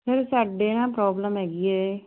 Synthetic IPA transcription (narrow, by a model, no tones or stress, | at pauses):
pʰɪɾsaːɖeːnãːpɾɔːbləmɦɛːɡɪɛː